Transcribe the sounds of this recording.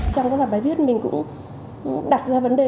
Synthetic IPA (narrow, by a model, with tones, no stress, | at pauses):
t͡ɕɔ˧ŋ͡mkaː˨˦vaː˧˩ɓaː˨˦vi˦˥t̚mï˨˩ŋ̟kʊ̰˧˥ŋ͡m | ɗaː˨˩t̚zaː˧və˨˦nɗe˨˩